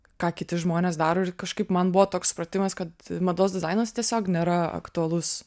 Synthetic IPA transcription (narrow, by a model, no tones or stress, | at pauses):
kɑːkʲɪt̪ʲɪʒmoːnʲeːs̬d̪ɑːɾoːɪɾkɐʃkɐɪpmɐnbʊʋoːt̪oːkssʊ̥pɾɐt̪ʲɪmɐskɐt̪mɐd̪oːsd̪ʲɪzɑɪnɐst̪ʲiɛsʲoːknʲeːɾɐɐ̰kt̪ʊɐlˠʊs